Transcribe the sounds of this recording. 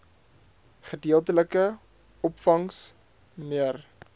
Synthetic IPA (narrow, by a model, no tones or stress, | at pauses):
χədiəlˠtələkə | ɔpfɐŋs | əniər